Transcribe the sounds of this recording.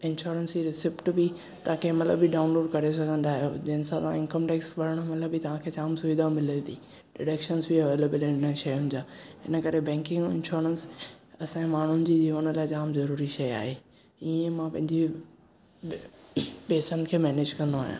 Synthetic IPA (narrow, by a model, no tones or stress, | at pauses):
ɪ̃nʃɔːɾənsiɾɪsɪpʈbi | t̪ɐãkʰemɐt̪lə̰biɖãːʊ̃nloːɖkɐɾesɐɡʱə̃nd̪aːɦijo̰d͡ʑɐɦɪnsãtã̰ɪ̃nkəmʈeːksʋɐɾəɽ̃əmɐt̪ləbit̪ɐʋ̤ãkʰet͡ɕaːmsʊid̪amɪlə̃d̪iː | ɖɪɽeːkʃənzbiɐʋeːleːbəlɪ̃nə̆ʃɐjʊ̃nɪ̆d͡ʑaːɦɪnəkɐɾebɛ̃ːŋkɪ̃ŋɡɪ̰̃nʃɔːɾənsɐsãmaːɳ̤ʊnɪ̆d͡ʑiːd͡ʑiːʋənlaːɪt͡ɕaːmzɐɾuːɾiʃɐja̰ːɦe | iẽmãpɐ̃ɦɪ̃ɲd͡ʑe | beːsənɪ̆kʰeːmɛːneːd͡ʑkɐ̃nd̪oa̰ːɦijã̰ː